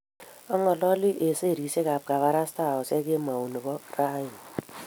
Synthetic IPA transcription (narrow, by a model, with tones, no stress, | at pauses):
ɔ˦ŋɔ˨lɔ˦lɪ˦ʔe˨se˦˨ɾi˨se˦ka˨p̚ka˨βa˦ɾa˦sta˦˨ɔ˨sɛ˦kɪ˦ma˨u˨ni˨bɔ˦ra˦jɪ˨